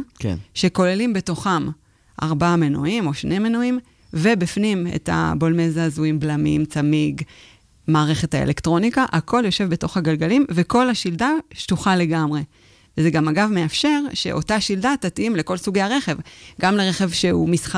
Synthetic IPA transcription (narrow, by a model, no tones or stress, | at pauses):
ʃe̞ko̞le̞limbe̞to̞χam | ʔa̰ʁbamenuimo̞ʃne̞jmenoim | vebifnimḛta̰bolmezaːzuimblamḭmt͡samiɡ | maːʁe̞χe̞thaḛlektʁo̞nikaʔako̞ljo̞ʃe̞vbe̞to̞χhaɡalɡalimveko̞laʃildaʃtuχale̞ɡamʁe̞ | vzeɡamaɡavme̞afʃe̞ʁʃe̞̰ʔo̞taʃildatatimle̞ko̞lsuɡejaʁe̞χe̞vɡamleʁeχe̞vʃeumisχa